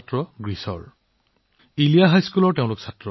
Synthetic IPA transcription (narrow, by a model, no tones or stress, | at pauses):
tɹɔɡɹisɔ̰ɹ | ilijaɦajskulɔɹteʊ̃lʊksatɹɔ